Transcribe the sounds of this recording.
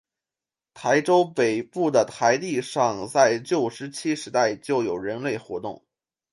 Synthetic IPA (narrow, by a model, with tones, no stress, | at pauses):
t̪ʰa˧˥ɪʈ͡ʂo˥ʊpe˨˩ɪpu˥˩d̪ə˩t̪ʰa˧˥ɪt̪i˥˧ʂɑ˥˧ŋt͡sa˥˧ɪt͡ɕjo˥˩ʊʂɻ̩˧˥t͡ɕʰi˥ʂɻ̩˧˥t̪a˥˧ɪt͡ɕjo˥˩ʊjo˨˩ʊɻə˧˥nle˥˩ɪxwɔ̰˧˥t̪ʊ̰˥˩ŋ